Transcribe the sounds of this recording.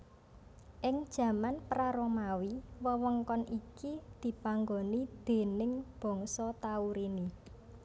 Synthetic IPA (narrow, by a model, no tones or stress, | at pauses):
ʔɪŋd̥ʒ̥ä̤manpɾaɾɔmawiwəwɔŋkɔnʔikid̪̥i̤paŋɡonid̪̥e̤nɪŋb̥ɔ̤ŋsɔt̪auɾini